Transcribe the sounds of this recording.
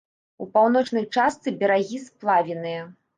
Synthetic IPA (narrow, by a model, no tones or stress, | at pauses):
upawnɔt͡ʂnɐjt͡ʂast̪sɨbʲɛɾaɣʲisplˠavʲinɨjɐ